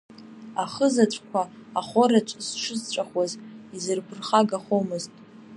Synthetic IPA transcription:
aχəzat͡ʃʷʰʼkʷʰaːχʷoɾat͡ʃʷʼsʂʷɨzt͡ʃʷʼaχwazizɨrpʰɨrχaɡaχomɨztʼ

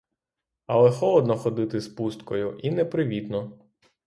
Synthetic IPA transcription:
ɐlˠɛxɔlˠɔd̪nɔxɔd̪ɪt̪ɪspust̪kɔjʊʔinɛpɾɪʋʲit̪nɔ

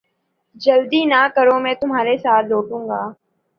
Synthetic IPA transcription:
d͡ʒəld̪iːnakəɾõːmɛ̃ːt̪ʊmɦaːɾesaːt̪ʰloːʈũːŋɡaː

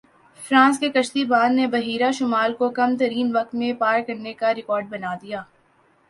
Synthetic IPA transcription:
fɾãːskekɐʃt̪ibaːd̪nebɐɦiːɾaʃʊmaːlkokɐmt̪ɐɾiːnʋɐk̚t̪mẽpaːɾkɐɾnekaɾɪkɔːɾɖ̚bɐnaːd̪ijaː

